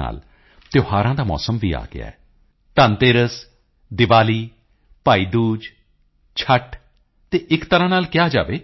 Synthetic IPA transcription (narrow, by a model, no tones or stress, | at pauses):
a̰ːl | t̪joːhaːɾãːd̪aːmɔ̰ːsəmʋḭːa̰ːɡɪ̰a̰ːɛː | t̪ənt̪eːɾəs | d̪ɪʋaːliː | paːiːd̪uːd͡ʒ | t͡ʃʰəʈ | t̪eːʔɪkt̪əɾãːnaːlkɪjaːd͡ʒa̰ːʋeː